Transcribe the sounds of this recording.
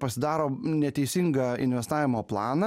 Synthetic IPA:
pɐsʲɪd̪ɑːɾoːnʲɛt̪ʲɛɪsʲɪŋɡɐɪ̰nʲʋʲɛst̪ɑːʋʲɪmoːplˠɑːnɐ

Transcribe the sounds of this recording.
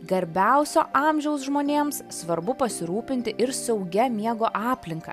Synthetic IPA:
ɡɐɾʲbʲæˑʊsʲo̰ːʔɑːmʲʒʲɛʊs̬ʒmoːnʲeːmssʋɐɾbʊpɐsʲɪɾuːpʲɪnʲt̪ʲɪʔɪɾsɛʊɡʲɛmʲiɛɡoːʔɑːpʲlʲɪŋkɐ̰

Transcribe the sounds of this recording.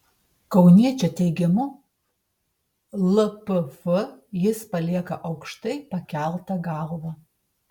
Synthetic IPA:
kɐʊnʲiɛt͡ʃʲɛt̪ʲɛɪɡʲɛmʊ | lˠɐpɨfəjɪspɐlʲiɛkɐʔɐʊkʃt̪ɐɪpɐkʲælˠt̪ɐɡɑlˠʋɐ

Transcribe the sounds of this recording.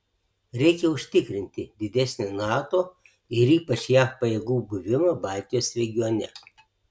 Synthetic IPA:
ɾʲɛɪkʲɛʊʃʲt̪ʲɪkɾʲɪnʲt̪ʲɪd̪ʲɪd̪ʲɛsʲnʲonɑːt̪oː | ɪɾiːpɐt͡ʃjæːpɐjeːɡuːbʊʋʲɪmɐbɑˑlʲt̪ʲɪjoːsɾʲɛɡʲɪjonʲɛ̰

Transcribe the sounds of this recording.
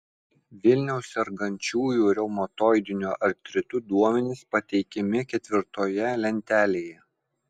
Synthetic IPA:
ʋʲɪlʲnʲɛʊsʲɛɾɡɐnʲt͡ʃʲuːjuːɾʲɛʊmot̪oːjd̪ʲɪnʲuːʔɐɾt̪ʲɾʲɪt̪ʊd̪uɔmʲɛnʲɪspɐt̪ʲɛɪkʲɛmʲɪkʲɛt̪ʲʋʲɪɾt̪oːjɛlʲɛnʲt̪ʲæːlʲeːjɛ

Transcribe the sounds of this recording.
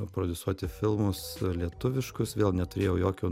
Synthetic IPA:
pɾɔd̪ʲʊsuɔt̪ʲɪfʲɪlˠmʊslʲiɛt̪ʊʋʲɪʃkʊsʋʲeːlˠnʲɛt̪ʊɾʲeːjɛʊjoːkʲuː

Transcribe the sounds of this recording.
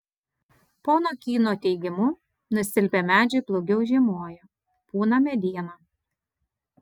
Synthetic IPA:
poːnoːkʲiːnoːt̪ʲɛɪɡʲɪmʊ | nʊsʲɪlʲpʲemʲæːd͡ʒʲʊɪplˠɔʊɡʲɛʊʒʲimuɔjo | puːnɐmʲɛd̪ʲiːɛnɐ

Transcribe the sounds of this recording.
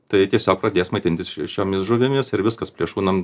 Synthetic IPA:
t̪ɐɪt̪ʲiɛsʲoːk̚prɐd̪ʲeːsmɐɪt̪ʲɪnʲt̪ʲɪsʃʲoːmʲɪsʒʊʋʲɪmʲɪsɪɾʋʲɪskɐspʲlʲiɛʃuːnɐm

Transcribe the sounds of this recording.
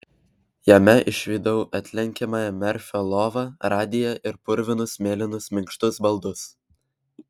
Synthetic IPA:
jɛmʲɛʔɪʃʲʋʲiːd̪ɐʊʔɐt̪ʲlʲɛŋʲkʲɛmɑːjɛmʲɛɾʲfʲolˠoːʋɐɾɑːd̪ʲɪjɛʔɪɾpʊɾʲʋʲɪnʊsmʲeːlʲɪnʊsmʲɪŋkʃt̪ʊsbɐlˠd̪ʊs

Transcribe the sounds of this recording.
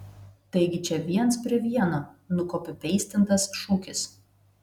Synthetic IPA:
t̪ɐɪɡʲɪt͡ʃʲɛʋʲiɛnspʲɾʲɪʋʲiɛnoːnʊkoːpʲɪpʲɛɪsʲt̪ʲɪnt̪ɐsʃuːkʲɪs

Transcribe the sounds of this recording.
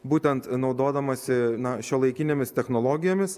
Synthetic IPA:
buːt̪ʲɛnt̪nɒʊd̪oːd̪ɐmɐsʲɪnɐʃʲoːlˠɐɪkʲɪnʲeːmʲɪst̪ʲɛxnoːlˠoːɡʲɪjoːmʲɪs

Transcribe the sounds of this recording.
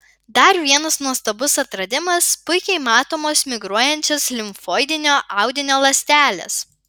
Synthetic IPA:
d̪ɐɾʋʲiɛnɐsnuɔst̪ɐbʊsɐt̪ɾɐd̪ʲɪmɐspʊɪkʲɛɪmɑːt̪oːmoːsmʲɪɡɾuɔjɛnʲt͡ʃʲɛslʲɪmfoːɪd̪ʲɪnʲoːʔɑˑʊd̪ʲɪnʲoːlˠɐsʲt̪ʲæːlʲɛ̰s

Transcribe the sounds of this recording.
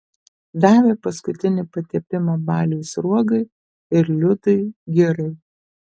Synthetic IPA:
d̪ɑːʋʲeːpɐskʊt̪ʲɪnʲɪpɐt̪ʲiɛpʲɪmɐbɑːlʲɛʊsɾuɔɡɐɪ | ɪɾlʲʊt̪ɐɪɡʲɪɾɐɪ

